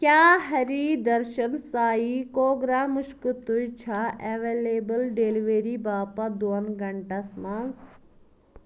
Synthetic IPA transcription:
kʲjaːɦɐɾiːd̪ɐɾʃɐnsaːikoːɡɾaːmuʃkut̪ujt͡ʃʰaʔɛʋeːleːbəlɖeːliʋeɾibaːpɐd̪oɐnɡɐɳʈasmans

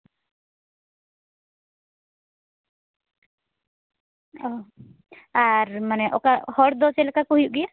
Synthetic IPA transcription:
ɔ | aɾmanɛʔɔkahɔɽd̪ɔt͡ʃɛlkakɔɦjuʔɡia

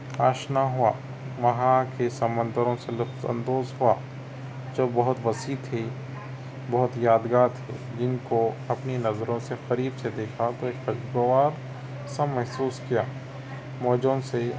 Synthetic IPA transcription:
aːʃnaɦua̰ː | ʋɐɦãkesɐmə̃nd̪əɾõselʊkt̪ɐ̰̃nd̪oːzɦua̰ː | d͡ʒoːbɐɦʊt̪ʋɐsiːt̪ʰe | bɐɦʊt̪jaːd̪ɡaːt̪ʰḛː | d͡ʒɪnkoɐpninɐzɾõsexɐɾiːbsed̪eːkʰat̪oeːkɐd͡ʒɡoʋaːɾ | sɐmɛɦsuːskijaː | mɔːd͡ʒõse

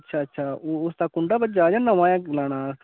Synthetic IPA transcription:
tːʃʰaːətːʃʰaːʊst̪aːkʊɳɖaːbəd͡ʒaːd͡ʒãːnãʋãːjãːlaːɽ̃aː

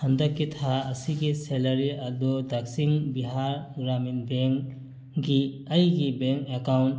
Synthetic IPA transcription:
hɐ̃nd̪ɐkːit̪ʰaɐsikiseləɾiɐd̪od̪ɐksĩŋɡbiɦaːɾɡɾaːminbeŋk | ɡi | ɐikibẽŋkekaʊɳʈ

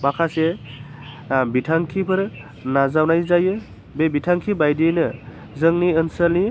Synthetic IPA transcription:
bakʰase | bitʰaŋkʰipʰɯɾ | nazawnajzajɯ | bebitʰaŋkʰibajdinɯ | zɯŋniɯnsalni

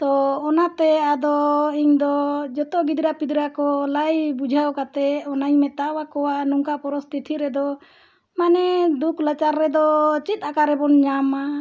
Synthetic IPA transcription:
t̪ɔːnat̪ɛad̪ɔiɲd̪ɔd͡ʒɔt̪ɔɡid̪ɾapid̪ɾakɔlajbud͡ʒʱawkat̪ɛɔnaɲmɛt̪awakɔwanuŋkapɔɾɔst̪ʰit̪ʰiɾɛd̪ɔ | manɛd̪uklat͡ʃaɾːɛd̪ɔt͡ʃit̪̚ˀakaɾɛbɔnɲama

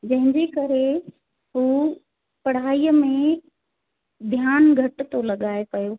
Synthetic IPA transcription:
d͡ʑɐ̃ɦɪ̃ɲd͡ʑekɐɾe | ɦuː | pɐɽ̤aːijəmẽ | d̪ʱjaːnɡʱɐʈ̆t̪olɐɠaːepɐjoː

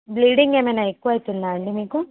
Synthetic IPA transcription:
bliːɽiŋɡeːmenaːekːuaːjt̪ilːaːɐɳɖimiːku

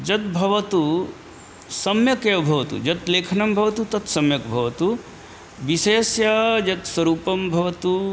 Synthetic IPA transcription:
d͡ʒɐt̪̚bʱɐʋɐt̪u | sɐmjɐkeʋbʱɐʋɐt̪ṵd͡ʒɐt̪leːkʰnɐmbʱɐʋɐt̪ut̪ɐt̪sɐmjɐkbʱɐʋɐt̪u | ʋiseːsjad͡ʒɐt̪swɐɾuːpɐmbʱɐʋɐt̪u

